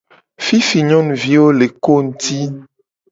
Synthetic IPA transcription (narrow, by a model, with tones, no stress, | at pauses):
fi˦fi˨ɲɔ̃˦n˨vi˦wo˦le˨ko˦ŋ̩˦t̪i˦